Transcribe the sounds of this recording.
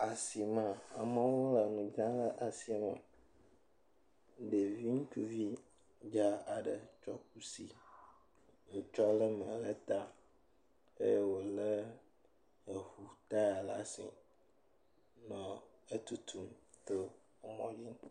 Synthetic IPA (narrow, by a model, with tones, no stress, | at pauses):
a˨si˨mã˨a˨mə̃˦wo˦la˨nũ˨d͡ʒa˦lə˦ʔa˨si˨˦mã˨ | ɖe˨vi˦ŋ̩˦tu˦vi˦ | d͡ʒa˦a˨ɖə˨t͡ʃɔ˦k̚u˦si˨ | ŋũ˨t͡ʃɔ˦lə˦mə̃˨lə˦t̪a˦ | ḛ˦je˦wo˨lə˦ | e˨hu˨t̪a˦ja˨la˨sḭ˨ | nɔ̃˨ | e˦t̪u˨t̪ʰu˦mt̪o˦ | o˦mɔ̃˦d͡ʒi˦ŋ˦